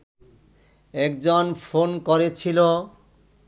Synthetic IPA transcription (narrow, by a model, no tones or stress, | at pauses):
ɛk̚d͡ʑonfonkoɾet͡ɕʰilo